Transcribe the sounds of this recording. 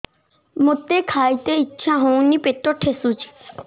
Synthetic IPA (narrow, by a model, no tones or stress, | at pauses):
mot̪ːekʰajt̪eitːɕʰaɦõw̃nipet̪ːoʈʰesut͡ɕʰ